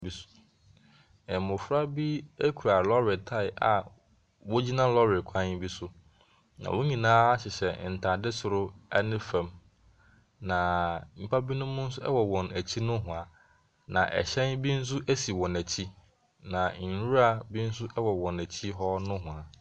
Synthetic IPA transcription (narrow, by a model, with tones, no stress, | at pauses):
bi˦sʊ̥˦ | ɛ˨mʊ̃˨fɾa˦bi˦e˦kʰu˨ɾa˨lɔ˦ɾɪ˨tʰa˦ɪ˨a̰˨ | wo˦d͡ʑi˦nã˦lɔ˦ɾɪ˨kʷʰã˦n˦bi˦sʊ˦ | nã̰˨wo˦ɲĩ˨nãː˦a˦ɕɪ˨ɕɛ˨n̩˨tʰa˨dɪ˦sʊ˨ɾʊ˦ɛ˦nɪ̃˦fɛ̃˨m | nã˨˦m̩˨pʰa˦bi˦nʊ̃˦mːʊ̃˦n̩˦sʊ˦ɛ̰˦wɔ˨wɔ̃˨næ˨t͡ɕʰi˦nʊ̃˦ɦʊ̃˨a˨ | nã˨ʔɛ̰˨ɕɛ̃˦nbi˦n̩˦s̬ʊ˦ʔæ˦si˨wɔ̃˨næ˨t͡ɕʰi˦ | nã˨n̩˨ɾu˦ɾa˦bi˦n̩˦sʊ˦ɛ˦wɔ˨wɔ̃˨næ˨t͡ɕʰi˦ɦɔ˦nʊ̃˦ɦʊ̃˨a˨